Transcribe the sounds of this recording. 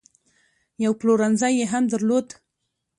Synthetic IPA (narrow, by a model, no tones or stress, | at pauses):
jawploɾanzajːeɦamd̪aɾlod̪